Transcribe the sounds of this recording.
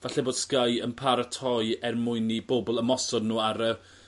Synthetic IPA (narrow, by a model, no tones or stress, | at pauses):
vaɬɛboːd̥skajənpʰaɾətʰɔjɛrmʊɨniboːbɔlˠəmɔsɔdnuːaɾə